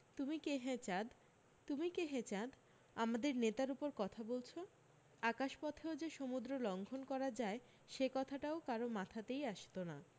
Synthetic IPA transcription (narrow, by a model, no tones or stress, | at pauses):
t̪umikeɦɛ̃t͡ɕad̪ | t̪umikeɦɛ̃t͡ɕad̪ | amad̪eɾnet̪aɾupoɾkɔt̪ʰabolt͡ɕʰo | akaʃpɔt̪ʰeod͡ʑeʃomud̪ɾolɔŋɡʱonkɔɾad͡ʑae | ʃekɔt̪ʰaʈaokaɾomat̪ʰat̪ejaʃt̪ona